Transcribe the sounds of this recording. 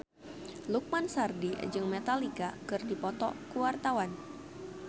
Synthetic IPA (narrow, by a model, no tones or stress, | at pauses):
luk̚mansardid͡ʒɨŋmet̪alikakɨrdipɔt̪ɔ̰kuwart̪awan